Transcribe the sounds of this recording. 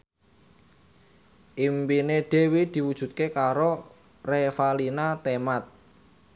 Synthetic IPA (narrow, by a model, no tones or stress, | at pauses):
ʔimpineɖ̥e̤wid̪̥i̤wud̥ʒ̥ṳt̪̚kekaɾo | refalinat̪emat̪̚